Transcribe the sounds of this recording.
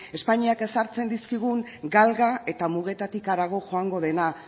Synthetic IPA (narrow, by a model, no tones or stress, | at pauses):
e̞spaɲiake̞saɾt͡se̞nd̪iskiɣ̞uŋ | ɡalɣae̞t̪amuɣ̞e̞t̪at̪ikaɾaɣ̞o̞ʝo̞aŋɡo̞ð̞e̞na